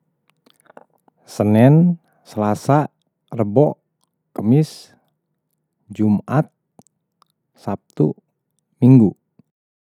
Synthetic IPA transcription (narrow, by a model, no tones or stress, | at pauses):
sənɛn | səlasa | rəbɔʔ | kəmis | d͡ʒumat̪̚ | sap̚t̪u | miŋɡu